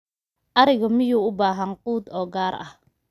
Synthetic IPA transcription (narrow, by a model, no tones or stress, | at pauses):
ʔɐɾɪɣɔmɪjuːʊbaːɦɐnquːd̪ɔːɡaːrɐ̰h